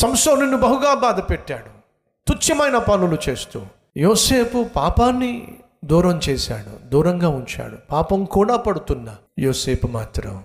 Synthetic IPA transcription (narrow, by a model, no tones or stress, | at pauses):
sɐmsoːninːubɐɦuɡaːbaːd̪ɐpeʈːaːɽu | t̪ut͡ʃːɐmɐjnɐpɐnulut͡ʃeːst̪ṵː | joːseːpupaːpaːnːi | d̪uːɾɐmt͡ʃɛːsa̰ːɽṵd̪uːɾɐŋɡaːuɲt͡ʃa̰ːɽupaːpɐmkuːɽaːpɐɽut̪unːɐ | joːseːpumaːt̪ɾɐ̰m